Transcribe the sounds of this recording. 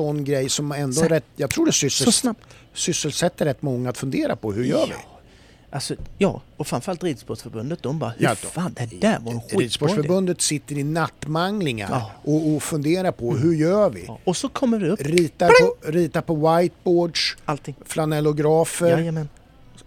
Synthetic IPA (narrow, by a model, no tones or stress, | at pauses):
sɔnːɡɾɛjːsɔmɛnd̪ɔɾɛt̪ːjɑɡt̪ʰɾuːɖɛsʏsnasʏsəlsɛt̪ːəɾɛt̪ːmɔŋːaaːt̪fɵnd̪eːɾa̰pʰɔhɵɾjœːɾvɪ̰ | ʔalsɔjɑ̰ː | ɔfɾamfœɾalt̪ɾiːd̪sbɔʂfœɾbɵnd̪ət̪̚d̪ɔmbɑ̰ːfaand̪ɛævaɾɧiiːd̪sbɔʂfœɾbɵnd̪ət̪sɪt̪ːəɾɪnat̪ːmaŋlɪŋa̰ɾʔɔɔfɵnd̪eːɾaɾpʰɔɦɵɾjœːvɪ̰ɔsɔkʰɔmːədɪɵɾiːt̪aɔɾiːt̪apʰɔwajt̪̚boːɖʂalt̪ɪŋflanɛlʊɡɾɑːfəɾmn